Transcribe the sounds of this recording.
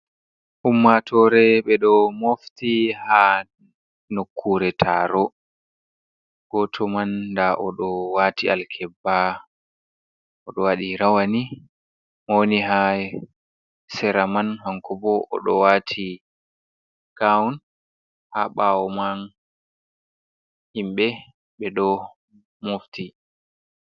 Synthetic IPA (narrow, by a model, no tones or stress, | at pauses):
ʔumːatʰɔɾɛɓɛɗɔmoftiha | nokʰːuɾɛtʰaɾɔ | ɡ̥ɔtʰɔmanːdaʔɔɗɔwatialkʰɛbːa | ɔɗɔwaɗiɾawani | mɔniɦa | sɛɾamanhaŋkɔbɔʔɔ̰ɗɔwatʰi | kawwn | haɓawɔman | himɓɛ | ɓɛɗɔ | mofti